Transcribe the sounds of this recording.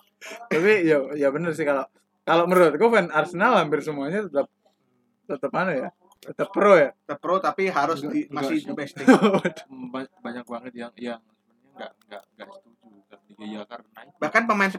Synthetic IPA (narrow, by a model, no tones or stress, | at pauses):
t̪apijajabənərsɪkaloʔ | kaloməɾuat̪̚kofɛnarsənalhampɪrsəmuaɲat̪ət̪əp̚ | t̪ət̪əp̚manaja | ət̪əpɾojat̪əpɾot̪apiɦaɾʊsdimasɪbɛstɪbat̪babaɲak̚uaŋət̪jaŋjaŋspəɲaŋɡaʔŋɡaʔŋɡasə̥t̪ud͡ʒut̪əp̚diɡajakaɾnaɪbahkanpəmaɪns